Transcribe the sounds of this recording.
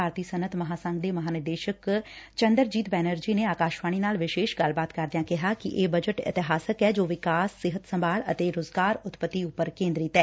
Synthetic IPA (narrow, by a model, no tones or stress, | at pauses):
aːɾt̪iːsənət̪məɦaːsə̃ŋɡd̪eːmɐɦaːnɪd̪eːʃəkt͡ʃənd̪əɾd͡ʒiːt̪bɛːnəɾd͡ʒiːneːaːkaːʃʋaːɽ̃iːnaːlʋɪʃeːʃɡəlbaːt̪kəɾd̪ɪjãːkɪɦaːkɪʔeːbəd͡ʒəʈɪ̰t̪ɪɦaːsəkɛːd͡ʒoːʋɪkaːsːɪɦət̪səmbʱaːɭə̰t̪eːɾoːzɡaːɾʊt̪pət̪ːiːʊpːəɾkẽːnd̪ɾɪt̪ɛː